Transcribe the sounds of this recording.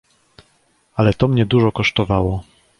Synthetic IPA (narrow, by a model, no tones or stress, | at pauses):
alɛt̪ɔmɲɛd̪uʐɔkɔʂt̪ɔvawɔ